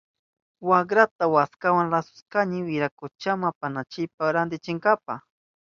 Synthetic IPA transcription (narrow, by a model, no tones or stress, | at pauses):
wakɾat̪awaskawaŋɾasʊ̥skaɲɪwɪɾakʊt͡ʃamapanat͡ʃɪpaɾand̪ɪt͡ʃɪŋɡapa̰